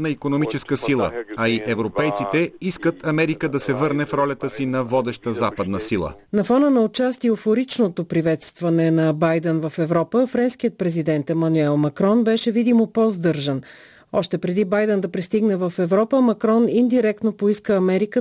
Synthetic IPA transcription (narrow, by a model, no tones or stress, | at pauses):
nɐikonomit͡ʃɛskəsilˠə̰ɐiʔɛvɾopɛjt̪sit̪ɛiskət̪ʰɐmɛɾikəd̪ɐsɛvɤɾnɛfɾɔlʲɐt̪əsinɐvɔd̪ɛʃt̪əzapəd̪nəsilˠə̰ | nɐfɔnənɐot͡ʃast̪iofoɾit͡ʃnot̪opɾivɛt̪st̪vɐnɛnɐbajd̪ɛnvɐfɛvɾɔpəfɾɛnsk̟ijət̪̚pɾɛzid̪ɛnt̪ɛmɐnuɛlˠmɐkɾɔnbɛʃɛvid̪imopɔzd̪ɤɾʒən | ɔʃt̪ɛpɾɛd̪ibajd̪ɛnd̪ɐpɾist̪iɡnəvɐfɛvɾɔpəmɐkɾɔnind̪iɾɛk̚t̪nopoiskəɐmɛɾikə